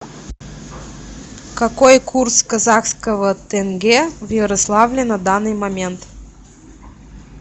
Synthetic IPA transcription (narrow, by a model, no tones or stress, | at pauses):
kɐkojkurskɐzaxskəvət̪ɛnɡʲɛvjəɾɐslˠavlʲɪnɐd̪anːɨjmɐmʲent̪